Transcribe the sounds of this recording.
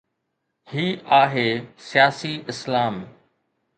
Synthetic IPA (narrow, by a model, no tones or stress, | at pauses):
hiːaːɦeːsɪjaːsiɪslaːm